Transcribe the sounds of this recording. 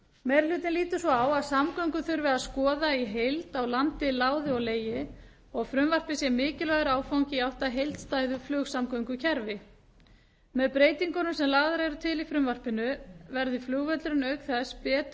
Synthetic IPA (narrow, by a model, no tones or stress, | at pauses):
mɛɾlʏːt̪ɪnliːt̪ʏsvɔawaðsamkœɥŋkʏθʏɾvɪaðskɔːðaiɦejlt̪awlant̪ɪlaːwðɪɔɣleːjɪ | ɔɣfɾʏmvar̥pɪsjɛmɪːcɪlœɣɾaːwfawɲcɪiawht̪aɦejlt̪st̪aːjðʏflʏːɣsamkœɥŋkʏcʰɛɾvɪ | mɛðpɾeːjt̪iŋkɔnʏmsɛmlaːɣðaɾɛɾʏt̪ʰɪlifɾʏmvar̥pɪnʏvɛɾðɪflʏːɣvœt̪lɾʏnœɥkθɛspɛːt̪